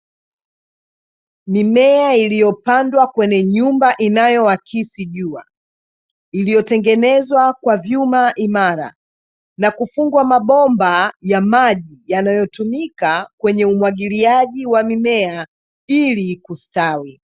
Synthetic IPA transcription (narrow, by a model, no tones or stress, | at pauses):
mimɛailijɔpandwakwɛɲɛɲumbaʔinajɔwakʰisiʄua | ilijɔtɛŋɡɛnɛzwakwavjumaʔimaɾa̰ | nakufuŋɡwamaɓɔmbajamaʄijanajɔtumikakwɛɲɛumwaɠiliaʄiwamimɛa | ilikustawi